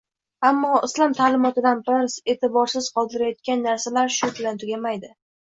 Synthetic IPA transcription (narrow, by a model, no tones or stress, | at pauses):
amːɒɪslˠɒmt̪ʰaːlɪmɒt̪ɪd̪anbɪɾse̞t̪ʰɪbɒɾsɪz̥qʰɒlˠd̪ɪɾajɒt̪̚kʲanːaɾsalaɾʃʊbɪlant̪ʰʊɡʲamajd̪ɪ